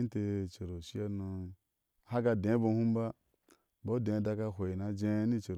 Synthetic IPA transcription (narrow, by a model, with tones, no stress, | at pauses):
i˦n˦te˧t͡ʃe˨ɾo˨ʃi˦a˦no˧ | ha˦ɡa˧dẽ˨˦bo˧˦hu˦m˦ba˦ | bo˦dẽ˨˦da˧ka˧ɦʷe˨i˨na˨d͡ʒẽ˦ni˦t͡ʃe˨ɾ